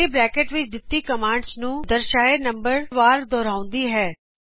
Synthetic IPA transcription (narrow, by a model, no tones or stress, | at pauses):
ibɾɛːkeːʈʋɪt͡ʃd̪ɪt̪ːikɐmãːɳɖsnũd̪əɾʃaːenɐ̃mbəɾʋaːɾd̪ɔːɾaːʊ̃nd̪iɦɛː